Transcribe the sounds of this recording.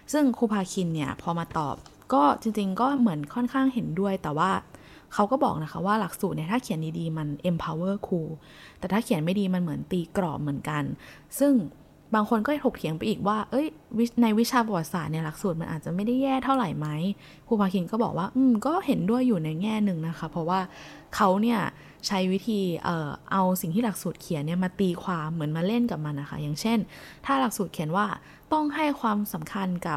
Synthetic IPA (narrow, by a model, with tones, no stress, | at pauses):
sɯ˥˩ŋkʰuː˧pʰaː˧kʰi˧nːi˥˩ɐpʰɔː˧maː˧t̪ɔ̰ː˨˩p̚ | kɔː˥˩t͡ɕi˧ŋt͡ɕi˧ŋkɔː˥˩mɯ˩˦ənkʰɔ˥˩nkʰaː˥˩ŋhe˩˦ndu˥˩əjt̪ɛː˨˩waː˥˩ | kʰa˦˥wkɔː˥˩bɔ̰ː˨˩k̚na˦˥kʰa˦˥p̚waː˥˩la˨˩k̚suː˨˩t̪ni˧˩ɐtʰaː˥˩kʰi˨˩˦ndiː˧diː˧ma˧nʔe˧mpʰaː˧wɤː˥˩kʰuː˧ | t̪ɛː˨˩t̪ʰaː˥˩kʰi˩˦ənma˥˩jdiː˧ma˧nmɯ˩˦ənt̪iː˧kɾɔ̰ː˨˩p̚mɯ˩˦ənka˧n | sɯ˥˩ŋ | baː˧ŋkʰo˧nkɔː˥˩˨tʰo˨˩k̪̚ʰi˨˩˦əŋpa˧jʔiː˨˩k̚waː˥˩ʔɤ˦˥jwi˦˥na˧jwi˦˥t͡ɕʰaː˧bɔ˨˩wa˨˩t̪̚saː˨˩t̪̚ni˥˩ɐla˨˩k̚suː˨˩t̪̚ma˧nʔaː˨˩t͡ɕa˨˩ma˥˩jda˥˩jːɛː˥˩t̪ʰa˥˩wɾa˨˩jma˦˥j | kʰuː˧˩paː˧kʰi˧nkɔː˥˩bɔː˨˩k̚waː˥˩ʔɯː˧mkɔː˥˩he˩˦ndu˥˩əjːuː˨˩na˧jŋɛː˥˩nɯ˧ŋna˦˥kʰa˦˥pʰɔ˧˥waː˥˩ | kʰa˦˥wni˥˩ɐ | t͡ɕʰa˦˥jwi˦˥t̪ʰiː˧ʔɤː˨˩ʔa˧wsi˨˩ŋt̪ʰiː˥la˨˩k̚suː˨˩t̪̚kʰi˨˩˦nːi˥˩ɐmaː˧t̪iː˧kʰwaː˧mɯ˩˦ənmaː˧le˥˩nka˨˩p̚ma˧nːa˦˥kʰa̰˦˥jaː˨˩ŋt͡ɕʰe˥˩nt̪ʰaː˥˩la˨˩k̚suː˨˩t̪̚kʰi˩˦ənwaː˥˩ | t̪ɔ˥˩ŋɦa˥˩jkʰwaː˧msa˩˦mkʰa˧nka˨˩p̚